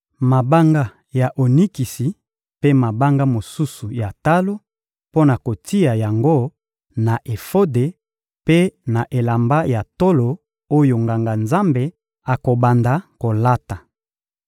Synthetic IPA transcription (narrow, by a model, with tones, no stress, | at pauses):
ma˨ba˦ŋɡa˦ | ja˨ʔo˨ni˦ki˨si˨ | pe˦ma˨ba˦ŋɡa˦mo˨su˦su˨ja˨ta˦lo˦ | po˦na˨ko˨ti˦a˨ja˨ŋɡo˦ | na˨ʔe˨fo˦de˨ | pe˦na˨ʔe˨la˨mba˦ja˨to˦lo˨ | o˦jo˨ŋɡa˨ŋɡa˨nza˦mbe˨ | a˨ko˨ba˨nda˨ko˨la˦ta˨